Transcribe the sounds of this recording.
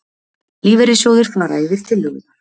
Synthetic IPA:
liːvɛɾɪsjowðɪɾ̥fnaɾa̰ːjvɪɾ̥t̪ʰɪlːʏɣʏ

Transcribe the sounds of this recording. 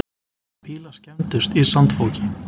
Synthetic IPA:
pʰɪːlascɛnt̪ʏst̪isant̪fɔwlcɪ̥

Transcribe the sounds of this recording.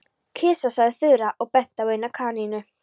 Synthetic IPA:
cʰɪːsasaðɪθʏːɾaʔɔɣpɛht̪awejnakʰaːninʏ

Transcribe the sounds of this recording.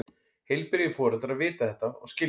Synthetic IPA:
hejlpɪɾjʏfɔːɾalt̪aɾaðvɪːt̪aθɛht̪aɔ̰ɣscɪ

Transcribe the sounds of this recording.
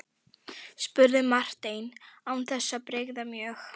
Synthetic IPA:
spʏɾðɪmar̥t̪ejnawnθɛsːapɾejɣðamjœːx

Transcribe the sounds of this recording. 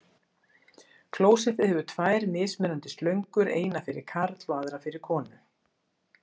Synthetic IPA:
kʰloːwsɛθɪðhɛvʏt̪ʰvaːjɾmɪːsmɛnant̪ɪ̥st̪lœɥŋkʏɾḛːjnafɪɾɪ̰ɾ̥kʰaɾt̪lɔaðɾafɪɾɪɾ̥kʰɔːnʏ

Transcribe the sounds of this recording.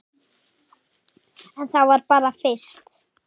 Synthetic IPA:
anθawɛɾbaɾafɪʃt̪

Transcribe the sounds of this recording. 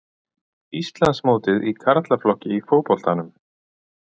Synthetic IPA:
ist̪lansmoːwt̪ɪðikʰaɾat̪laflɔhcɪifoːwpɔl̥t̪anʏm

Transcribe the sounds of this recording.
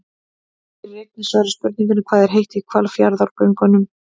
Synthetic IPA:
rejk̪nɪsvaɾʏspʏɾt̪niŋkʏnɪkʰv̥aːðɛɾ̥ɦejht̪ikʰvalfjaɾðawɾkœɥŋkanʏm

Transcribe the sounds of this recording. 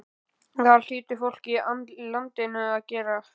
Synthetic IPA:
θaðl̥iːt̪ɪfowl̥cialant̪ɪnʏaðcɛːɾa

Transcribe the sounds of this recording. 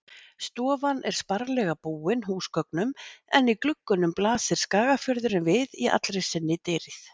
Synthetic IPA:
st̪ɔːvanʔɛɾ̥spaɾlɛɣapuːɪnɦuːskœknʏmɛ̰niklʏkːʏnʏmplaːsɪɾ̥skaːɣafjœɾðʏɾɪnvɪðiʔa̰t̪lɾejsɪnːɪt̪eːɾɪθ

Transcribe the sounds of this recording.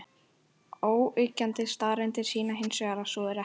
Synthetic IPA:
oːwʏcːant̪ɪst̪aːɾɪnt̪ɪ̥siːnaɦɪnsɛɣaɾasɔðɪɾɛ

